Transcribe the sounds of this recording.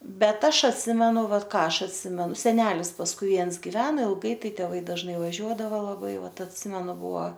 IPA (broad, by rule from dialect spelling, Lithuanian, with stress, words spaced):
ˈbʲɛt ˈɐʃ ɐtʲˈsʲɪmʲɛnʊ ˈʋɐt ˈkɑː ˈɐʃ ɐtʲˈsʲɪmʲɛnʊ sʲɛˈnʲæːlʲɪs pɐsˈkʊɪ ˈʋʲiɛns ɡʲɪˈʋʲæːnoː ɪlˠˈɡɐɪ ˈtɐɪ tʲɛˈʋɐɪ dɐʒˈnɐɪ ʋɐˈʒʲuɔdɐʋoː lˠɐˈbɐɪ ˈʋɐt ɐtʲˈsʲɪmʲɛnʊ ˈbuɔ